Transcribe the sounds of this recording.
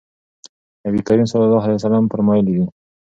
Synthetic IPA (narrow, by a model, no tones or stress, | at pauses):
nabikaɾimsɑlɑlːɑɦalajwasalampəɾmɑjlid̪i